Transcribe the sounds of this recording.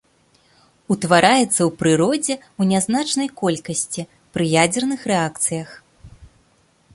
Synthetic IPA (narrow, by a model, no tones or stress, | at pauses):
ut̪vaɾʔajɛt̪sːɐwpɾɨɾɔd͡zʲɛ | unʲaznat͡ʂnɐjkɔlʲkɐsʲt͡sʲi | pɾɨjad͡zʲɛrnɨxrɛakt̪sɨjɐx